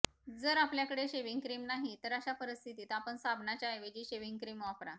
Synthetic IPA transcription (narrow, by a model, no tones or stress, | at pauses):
d͡zəɾapljakəɽeɕeʋiŋɡkɾiːmnaɦit̪əɾəɕapəɾəst̪ʰit̪iːt̪apəɳsabʱnat͡ɕaeʋed͡ʑiːɕeʋiŋɡkɾiːmʋafɾa